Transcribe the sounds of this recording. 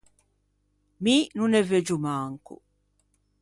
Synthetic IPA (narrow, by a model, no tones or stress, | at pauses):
minunɛved͡ʒumaːŋkṵ